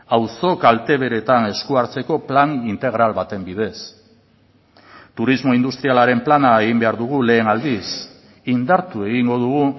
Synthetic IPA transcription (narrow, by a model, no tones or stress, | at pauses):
awso̞kalt̪e̞βe̞ɾe̞t̪ane̞skuaɾt͡se̞ko̞planint̪e̞ɣ̞ɾalβat̪e̞mbiðe̞s | t̪uɾizmo̞ind̪ust̪ɾialaɾe̞mplanaeɣimbe̞aɾðuɣ̞ule̞ːnald̪is | ind̪aɾt̪ue̞ɣiŋɡo̞ðuɣu